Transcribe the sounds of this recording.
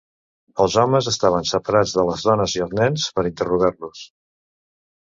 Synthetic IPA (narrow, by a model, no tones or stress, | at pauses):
əlˠzɔməzəst̪aβ̞ənsəpəɾad͡zðələzðɔnəziəlˠznɛnspəɾint̪əruɣaɾlus